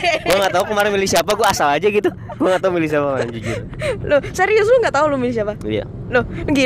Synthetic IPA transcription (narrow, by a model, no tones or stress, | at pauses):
uaŋɡat̪aukəmaɾɪnmilisiapaɡuaːsalad͡ʒaɡit̪u | ɡuaŋat̪aumilisiapakəmaɾɪnd͡ʒud͡ʒu | nohsaɾius̬uŋɡaʔt̪aulumilis̬iapaija̰ | noəɡi